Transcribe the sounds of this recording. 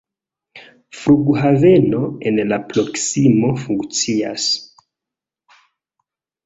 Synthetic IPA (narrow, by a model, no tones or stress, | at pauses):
fɾuɡɦave̞no̞enlapɾo̞ksimo̞fuŋkt͡sia̰s